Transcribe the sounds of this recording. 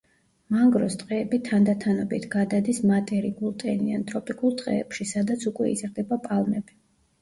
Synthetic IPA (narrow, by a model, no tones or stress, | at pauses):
maŋɡɾɔst̪ʼqʼɛːbit̪ʰand̪at̪ʰanɔbit̪ʰɡ̥ad̪ad̪ismat̪ʼɛɾiɡulˠt̪ʼɛniant̪ʼɾɔpʼikʼulˠt̪ʼqʼɛːpʃisad̪at̪sʰukʼwɛ̰ḭzɾd̪ɛbapʼalˠmɛbi